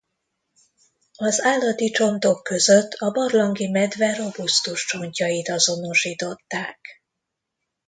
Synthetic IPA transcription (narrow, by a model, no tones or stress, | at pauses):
ɒzaːlːɒt̪it͡ʃo̞nt̪o̞kːø̞zøt̪ːʰɒbɒrlɒŋɡimɛd̪vɛɾobust̪uʃt͡ʃo̞ɲcɒjit̪ɒzo̞noʃiːt̪o̞t̪ːaːk